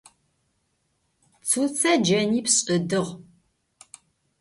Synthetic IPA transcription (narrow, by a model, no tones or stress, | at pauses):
t͡sʰut͡sʰɐd͡ʒɐniːpɕʼɨdɨʁ